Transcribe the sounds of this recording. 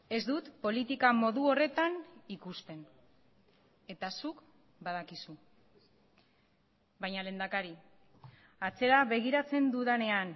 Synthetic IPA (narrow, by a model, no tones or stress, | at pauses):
e̞zd̪ut̪po̞lit̪ikamo̞ðuo̞re̞t̪anikust̪e̞n | e̞t̪asuk | baðakisu | bajɲale̞nd̪akaɾi | at͡se̞ɾaβe̞ɣ̞iɾat͡se̞nd̪uðane̞an